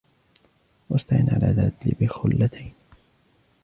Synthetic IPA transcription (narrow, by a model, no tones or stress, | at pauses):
wast̪aʔɪnʕa̰lʔaðad̪lɪbɪxʊlːat̪ʰajn